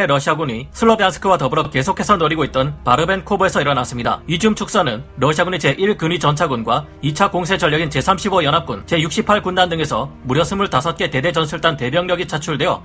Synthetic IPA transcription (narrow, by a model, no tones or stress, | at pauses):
eɾʌɕʰiaɡuɲisʰɯɭːʌbjansʰɯ̥kʰɯwatʌbɯɾʌke̞sʰokʰe̞sʰʌnoɾiɡoit̚t͈ʌnpaɾɯbe̞nkʰobe̞sʰʌiɾʌnas͈ɯmɲida̰id͡ʑumt͡ɕʰuk̚s͈ʌnɯnɾʌɕʰiaɡuɲit͡ɕe̞ʔiɭkɯnɥit͡ɕʌnt͡ɕʰaɡunɡwa | it͡ɕʰakoŋs̬ʰed͡ʑʌɭʎːjʌɡint͡ɕe̞sʰamɕʰibʌjʌnɦap̚k͈unt͡ɕe̞juk̚ɕ͈ipʰːaɭkundandɯŋe̞sʰʌmuɾjʌsʰɯmuɭtasʰʌt̚k͈e̞te̞de̞d͡ʑʌnsʰɯɭt͈ante̞bjʌŋɲʌɡit͡ɕʰat͡ɕʰuɭde̞jo̰